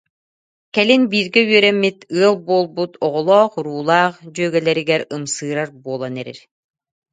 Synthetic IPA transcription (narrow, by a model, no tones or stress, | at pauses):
kɛlinbiːɾɡɛyœɾɛmːit̪ɯɐlˠbuɔlˠbut̪ɔʁɔlˠɔːχɾuːlˠaːχd͡ʑyœɡɛlɛɾiɡɛɾɯmsɯːɾaɾbuɔlˠanɛɾḭɾ